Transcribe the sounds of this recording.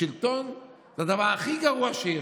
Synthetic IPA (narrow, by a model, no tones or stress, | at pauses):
ilt̪on | zed̪avaʁaχiɡaʁuaʃee